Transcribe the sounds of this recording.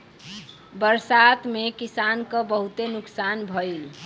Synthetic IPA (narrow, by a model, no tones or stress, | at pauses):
bəɾsat̪mekisankəbəɦut̪enuksanbʱəil